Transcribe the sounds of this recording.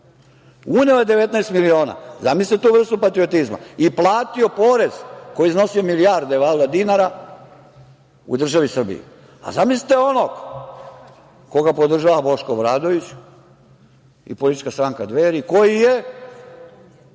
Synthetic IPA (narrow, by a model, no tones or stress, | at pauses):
uneojed̪eʋet̪najst̪milio̞ːna̰zamisit̪et̪uːʋr̩st̪upat̪ɾiot̪izma̰iplˠaːt̪io̞po̞ɾez̥ko̞jizno̞siomilijaɾd̪eʋald̪ad̪inaɾa | ṵd̪r̩ʒaʋisr̩bḭḭ | a̰zamisli̥t̪eo̞noɡ | ko̞ɡapod̪r̩ʒaʋabo̞ʃkobɾaːd̪o̞ʋit͡ɕ | ḭpolit̪i̥t͡ʃkast̪ɾaːŋkad̪ʋeɾiko̞jije